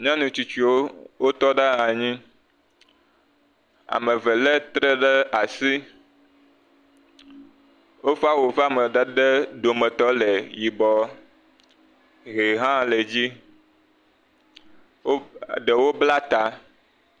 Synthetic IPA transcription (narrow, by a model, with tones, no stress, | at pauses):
ɲ˦ã˦nũ˨t͡ʃu˦t͡ʃu˦o˦wo˦t̪ɔ˦ɖa˦ɦa˨ɲĩ˦ | a̰˨me˨vɛ˨le˦t̪ɾe˦ɖɛ˦a˨si˦ | wo˦fa˦wo˨fa˨me˨ɖe˦ɖɛ˦ɖ̪o˨mɛ̃˨t̪ɔ˦le˨ji˨bɔ˨ | ɦe˨ɦã˦le˨d͡ʑi˦ | wo˦ɖe˨wo˦bla˦t̪a˨